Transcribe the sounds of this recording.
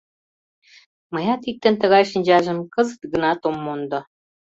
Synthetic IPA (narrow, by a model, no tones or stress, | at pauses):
mɤ̆jɑt̪it̚t̪ːɘ̆nt̪ə̆ɣɑjʃə̆nʲd͡ʑɑʒə̆mkɤ̆zə̆t̪ɡə̆nɑt̪omːond̪ŏ